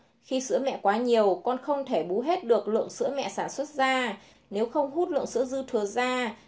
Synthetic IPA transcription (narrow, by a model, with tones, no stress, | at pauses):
xi˧sɨ̰˧˥əmɛ̰˧˨kwaː˨˦ɲi˨˩əwkɔ˧nxə˧wŋ͡mt̪ʰe˧˩ɓu˨˦ɦe˦˥t̚ɗɨ˨˩ək̚lɨ̰˧˨əŋsɨ̰˧˥əmɛ̰˧˨saː˧˩nswə˦˥t̚zaː˧ | ne˨˦wxə˧wŋ͡mɦu˦˥t̚lɨ̰˧˨ŋsɨ̰˧˥əzɨ˧t̪ʰɨ˨˩əzaː˧